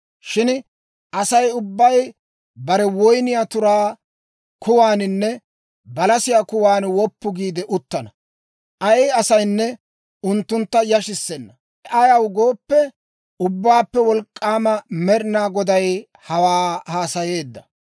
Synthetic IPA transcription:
ʃɪn | ɐsɐjʊbːɐj | bɐɾɛwɔjnɪjaːt̪ʊɾaː | kʊwaːnɪnːɛ | bɐlɐsɪjaːkʊwaːnwɔpːʊɡiːd̪ɛʔʊt̪ːɐnɐ | ʔɐjɪɐsɐjnːɛ | ʊnt̪ːʊnt̪ːɐjɐʃɪsːɛnːɐ | ɛʔɐjɐwɡo̞ːpːɛ | ʊbːaːpːɛwɔlkʼːaːmɐmɛɾɪnaːɡɔd̪ɐj | hɐwaːhaːsɐje̞ːd̪ːɐ

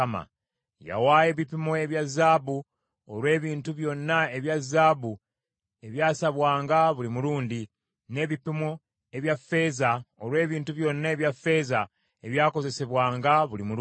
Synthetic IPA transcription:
ma̰ | ja̰waːje̞βipimoe̞βjazːaːβu | oɾwe̞ːβiːntuβjo̞nːae̞βjazːaːβu | e̞βjaːsaβwaːŋɡaβulimuluːndi | ne̞ːβipimo | e̞βjafːe̞ːzaoɾwe̞ːβiːntuβjo̞nːaeβjafe̞ːza | e̞βjaːko̞ze̞se̞βwaːŋɡaβulimu

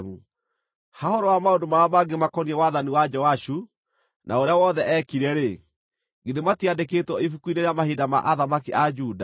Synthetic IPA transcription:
mu | hahɔɾɔwamaondomaɾamaɡemakɔniɛwaðaniwad͡ʒɔaʃu | nʔaoɾeawɔðɛʔɛkiɾɛɾe | ɡeðematiadeketwɔifukuineɾamahidama̰ʔaðamakiʔad͡ʒuːda

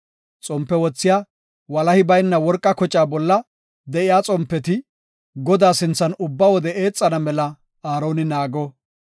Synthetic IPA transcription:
t͡sʼɔmpːɛwɔt͡sːɪjaː | wɐlɐhɪbɐjnːɐwɔɾkʼːɐkɔt͡ʃʼaːbɔlːɐ | d̪ɛʔɪjaːt͡sʼɔmpːɛt̪ɪ | ɡɔd̪aːsɪnt͡sːɐnʊbːɐwɔd̪ɛe̞ːt͡sʼːɐnɐmɛlɐ | aːɾo̞ːnɪnaːɡɔ

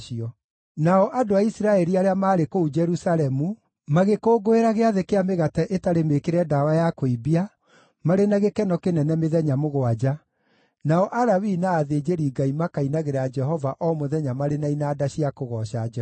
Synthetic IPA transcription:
iɔ | naɔʔadoaisiɾaɛɾiaɾeamaːɾekoud͡ʒɛɾusalɛmu | maɣekoːɡoeɾaɣeaðekeameɣatɛʔetaɾemekeɾɛdawajakoibia | maɾenaɣekɛnɔkenɛnɛmeðɛɲamoɣwad͡ʒa | naɔʔaɾawinaːðed͡ʒeɾiːɡaimakainaɣeɾad͡ʒɛɦɔvaʔɔmoðɛɲamaɾenainaːdaɕiakoɣɔʃaɛ

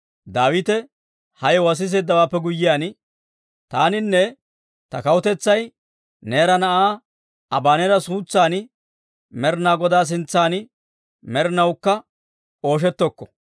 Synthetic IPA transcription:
d̪aːwɪt̪ɛ | hɐjɔwɐs̬ɪs̬eːd̪ːɐwaːpːɛɡʊjːɪjaːn | t̪aːnɪnːɛ | t̪ɐkɐwʊt̪ɛt͡sːɐj | neːɾɐnɐʔaː | ɐbaːnɛɾɐsuːt͡sːaːnɪ | mɛɾnaːɡɔd̪aːs̬ɪnt͡sːaːnɪ | mɛɾnɐwkːɐ | o̞ːʃ̬ɛt̪ːɔkːɔ̥

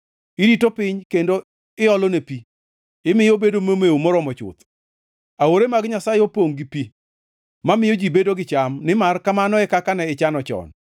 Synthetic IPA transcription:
ɪditopɪɲkendo | ɪɔlɔnepi | ɪmɪjobedomomeomɔɾɔmɔt͡ʃʊ̰t̪ | aoɾemaɡɲasajopoŋɡipi | mamɪjod͡ʒibedoɡɪt͡ʃamnɪmarkamanɔɛkakanɛɪt͡ʃanɔt͡ʃɔ̰n

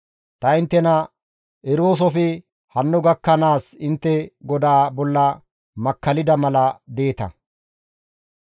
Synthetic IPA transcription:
t̪ɐɪnt̪ːɛnɐ | ʔɛɾo̞ːs̬ɔfɪ | hɐnːʊɡɐkːɐnaːsɪnt̪ːɛɡɔd̪aːbɔlːɐ | mɐkːɐlɪd̪ɐmɐlɐd̪e̞ːt̪ɐ̰

